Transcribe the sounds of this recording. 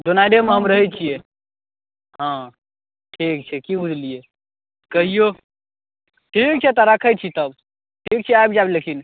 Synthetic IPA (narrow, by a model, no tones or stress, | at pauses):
ɖonaɖemeɦəmɾəɦɛt͡ʃʰije | ɦã | ʈʰik̚t͡ʃʰɛkibud͡ʒʱlije | kəɦijo | ʈʰik̚t͡ʃʰɛt̪ɔɾakʰəjt͡ʃʰit̪əb | ʈʰik̚t͡ʃʰɛajbd͡ʒablekʰin